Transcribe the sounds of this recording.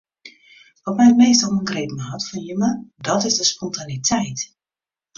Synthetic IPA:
ʋɔtmɛjət̚meːstɔlˠməŋɡrejpm̩əɦatfɔnjymədɔtɪzdəspɔntanitʰɛjt

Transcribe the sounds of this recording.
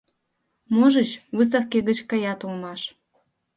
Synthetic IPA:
moʒət͡ɕβɨs̬ɑkkeɣət͡ɕkɑjɑt̪ulmɑʃ

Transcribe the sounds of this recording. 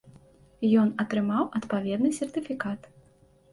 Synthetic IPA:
jɔnɐt̪ɾɨmawʔɐt̪pavʲɛd̪nɨsʲɛrt̪ɨfʲikat̪

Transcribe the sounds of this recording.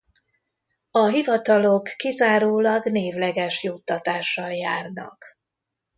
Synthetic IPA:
ɒɦivɒt̪ɒlo̞kːizaːɾoːlɒɡneːvlɛɡɛʃjut̪ːɒt̪aːʃːɒljaːrnɒ̰k

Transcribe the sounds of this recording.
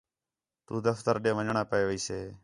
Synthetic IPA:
t̪uːd̪əft̪əɾɗẽːʋəɲɳãːpəeːʋiːseː

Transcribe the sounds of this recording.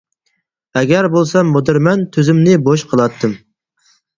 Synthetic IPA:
ɛɡʲɛɾbolˠsɑmːod̪ɨɾmɛnt̪ʰyzymnɪboʃqʰəlˠɑt̪ʰːɨm

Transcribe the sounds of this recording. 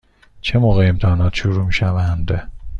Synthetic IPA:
t͡ʃʰe̞moːɣeemt̪ʰɒːnɒːt̪ʃuɾuːmiːʃævænd̪

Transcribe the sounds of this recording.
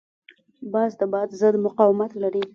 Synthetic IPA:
bɑzd̪əbɑd̪zəd̪mʊqɑwɪmat̪laɾi

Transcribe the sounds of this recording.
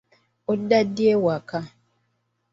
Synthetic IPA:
odadiewaka

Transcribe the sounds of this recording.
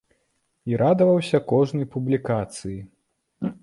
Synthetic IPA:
iɾad̪ɐvɐwsʲɐkɔʐnɐjpublʲikat̪sɨji

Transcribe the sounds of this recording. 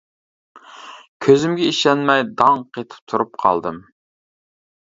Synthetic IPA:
kʲʰøzymɡʲɛiʃɛnmɛjd̪ɑŋqʰet̪ʰɪ̥p̚t̪ʰuɾup̚qʰɑ̰lˠd̪ɨm

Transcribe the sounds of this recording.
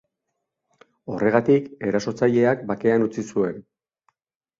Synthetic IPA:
o̞re̞ɣat̪ike̞ɾaso̞t͡saʎe̞ak̚bake̞anut͡sisue̞n

